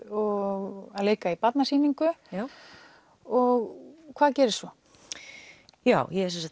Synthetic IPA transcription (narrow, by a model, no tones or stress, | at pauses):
ɔɣaðleːjkaipat̪nasiːniŋkʏ | ɔɣkʰvaːðcɛːɾɪst̪sɔ | jaːwjɛɛsɛnsa